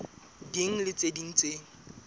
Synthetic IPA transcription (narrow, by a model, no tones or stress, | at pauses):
diŋ̩lɪt͡sʼediŋ̩t͡sʼeŋ̩